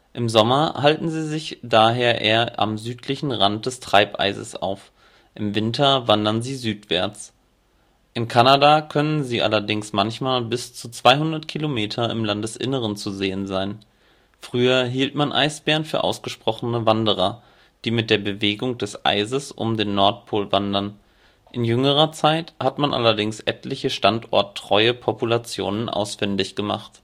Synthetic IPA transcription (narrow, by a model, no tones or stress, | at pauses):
ʔɪmzɔmɐhaltn̩ziːzɪçd̥aːɦeːɐʔeːɐʔa̰mzyːtʰlɪçn̩ʁant̚d̥ɛstʁ̥aɪpʔa̰ɪzə̰sʔa̰ʊf | ʔɪmvɪntʰɐvandɐnziːzyːtv̥ɛ̰ɐt͡s | ʔɪnkʰanadakʰœnənziːʔa̰lɐdɪŋsmançmaːlbɪst͡sut͡sv̥aɪɦʊndɐtkʰilomeːtʰɐɪ̰mlandɛsʔɪ̰nəʁ̞ənt͡suzeːənzaɪn | fʁ̥yːɐɦiːltmanʔa̰ɪsb̥ɛːʁənfyːɐʔa̰ʊsɡ̥əʃpʁ̥ɔχnəvandəʁ̞ɐ | d̥iːmɪt̚d̥eːɐbəveːɡʊŋd̥ɛsʔa̰ɪzəsʔʊ̰mdeːnːɔɐt̚pʰoːlvandɐn | ʔɪnjʏŋəʁ̞ɐt͡saɪthatmanʔa̰lɐdɪŋsʔɛtlɪçəʃtantʔɔ̰ɐtʰːʁ̥ɔʏəpʰɔpulat͡sjo̰ːnənʔa̰ʊsfɪndɪçɡ̥əma̰χt